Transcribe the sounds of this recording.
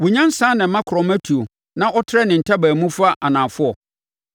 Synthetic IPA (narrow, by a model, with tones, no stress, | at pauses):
wʊ˨ɲã˦n̩˦sãː˦nɪ̃˨m̩˦mã˦kʰɾɔ˨mæ˦tʰu˨o˨ | nã˦ʔɔ˦tʰɪ˦ɾɛ˦nɪ̃˨n̩˨tʰa˦bæː˨mũ˦fa˦ʔa˨nãː˨fʊ˦ɔ˨